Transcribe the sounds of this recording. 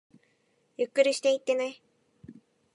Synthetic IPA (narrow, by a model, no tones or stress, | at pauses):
jɯkːɯɾʲiɕi̥t̪e̞it̪ːe̞nai